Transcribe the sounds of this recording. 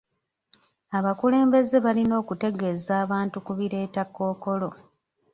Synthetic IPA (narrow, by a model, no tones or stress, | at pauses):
aβakule̞ːmbe̞ze̞βalino̞ːkute̞ɡe̞zaːβaːntukuβiɾe̞ːtakːo̞ːko̞lo̞